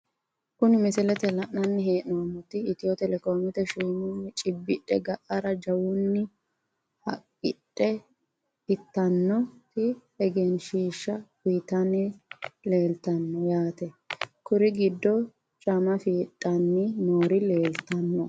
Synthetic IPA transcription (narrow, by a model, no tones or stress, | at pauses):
kʊnɪmɪsɪlɛt̪ɛlɐʔnɐnːɪɦeːʔnowɐmʊt̪ːɪɪt̪ɪjɔt̪ɛlɛkoːmɪt̪ɛʃuːmʊnːɪt͡ʃʼɪbːɪᶑʼɛ̰ɡɐʔɐɾɐd͡ʒɐwʊnːɪ | hɐ̰kʼːɪtʼːɛ | ɪt̪ːɐnːɔt̪ɪɛɡenʃiːʃːɐfiːt̪ɐnɛle̞ːlt̪ɐnːɔjaːt̪ɛkʊɾɪɡɪd̪ːɔ | t͡ʃʼɐmɐfiːtʼːɐnːɪnoːɾɪle̞ːlt̪ɐnːɔ